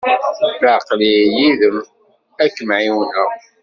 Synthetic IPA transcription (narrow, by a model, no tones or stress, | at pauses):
ləʕqlijiðəm | ækːəmʕiwnəʁ